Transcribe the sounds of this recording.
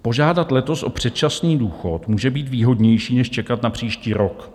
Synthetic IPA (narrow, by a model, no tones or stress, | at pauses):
po̞ʒaːdat̪lɛt̪o̞sʔo̞pr̝̥ɛt̪̚t͡ʃasniːduːxo̞t̪muːʒɛbiːt̪viːɦo̞dɲɛjʃiːnɛʃt͡ʃɛkat̪napr̝̥iːʃciːɾok